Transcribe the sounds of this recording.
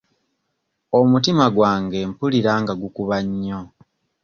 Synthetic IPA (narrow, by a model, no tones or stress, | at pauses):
omutimaɡwaːŋɡe̞mpuliɾaːŋɡaɡukuβaɲːo